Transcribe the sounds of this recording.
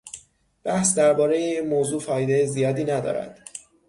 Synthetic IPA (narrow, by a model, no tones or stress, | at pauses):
b̥æhsd̪æɾbɒːɾe̞jemoːzuːfɒːjd̪ejezijɒːd̪iːnæd̪ɒ̰ːɾæ̰d̪̥